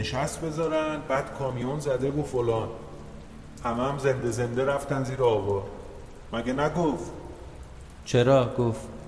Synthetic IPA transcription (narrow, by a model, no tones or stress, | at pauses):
neʃæst̪̚be̞zɒːɾænd̪̚bæːd̪̥kʰɒːmijonzæd̪e̞vofolɒːn | hæmæmze̞nd̪e̞ze̞nd̪e̞ɾæft̪ænd̪ziːɾeɒːvɒːɾ | mæɟenæɡoft̪ | t͡ʃʰeɾɒːɡoft̪